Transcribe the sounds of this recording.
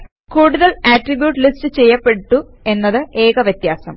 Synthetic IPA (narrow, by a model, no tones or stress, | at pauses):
kuːɽuðɐɭaʈribjuːʈːɨlistɨt͡ɕe̞jːɐpːe̞ʈːu | e̞nːɐðɨʔe̞ːkɐʋjɐt̪jaːsɐ̰m